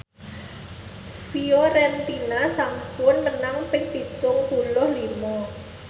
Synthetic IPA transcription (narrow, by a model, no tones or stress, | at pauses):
sioɾɛnt̪inasaŋpʊnmənaŋpɪŋt̪it͡ʃʊŋpulʊhlimɔ